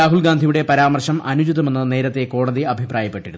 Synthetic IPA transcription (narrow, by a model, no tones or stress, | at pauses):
aːɦulɡaːnd̪ʱijuɽe̞pɐɾaːmɐrʂɐmɐnud͡ʑiðɐme̞nːɨne̞ːɾɐt̪ːe̞ko̞ːɽɐðiɐbʱiprʔaːjɐpːe̞ʈːiɾun